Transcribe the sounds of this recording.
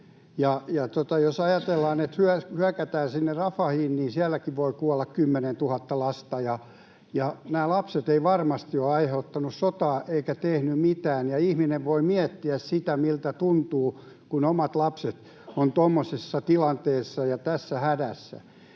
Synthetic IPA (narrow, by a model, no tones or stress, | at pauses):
jɑjɑt̪ot̪ɑjosɑjɑt̪elːɑːnet̪hyæhyækæt̪æːnsinːerrɑfɑhiːnːiːnsiælːækiʋʋoikuɑlːɑkkymːenent̪uhɑt̪ːɑlɑst̪ɑjɑ | jɑnæːlɑpset̪eiʋɑrmɑst̪ioɑiheut̪ːɑnussot̪ɑːʔeikæt̪ehnymit̪æːnjɑihmineʋʋoimiɛt̪ːiæssit̪æmilt̪æt̪unt̪uː | kunomɑt̪lɑpset̪ | ont̪omːosesːɑt̪ilɑnt̪eːsːɑjɑt̪æsːæhædæsːæ̰